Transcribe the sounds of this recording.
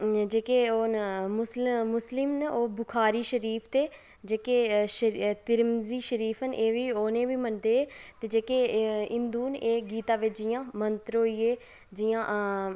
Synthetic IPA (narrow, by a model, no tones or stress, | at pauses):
d͡ʒeːkeːoːnmʊsmʊslɪmnoːbʊkʰaːɾiːʃəɾiːpʰt̪eː | d͡ʒeːkeːʃət̪ɪɾmziːʃəɾiːpʰɦənʔeːʋiːoːnẽːʋiːmənd̪eːt̪eːd͡ʒeːkeːɪnd̪uːneːɡiːt̪aːʋɪt͡ʃd͡ʒɪjãːmənt̪əɾɦoːieː | d͡ʒɪjãː